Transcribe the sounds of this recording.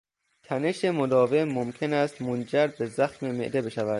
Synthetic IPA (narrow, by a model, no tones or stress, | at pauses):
t̪ʰæne̞ʃe̞mod̪ɒːve̞momkʰe̞næst̪mond͡ʒæɾbe̞zæxme̞me̞̰ʔd̪ebe̞ʃævæd̪̥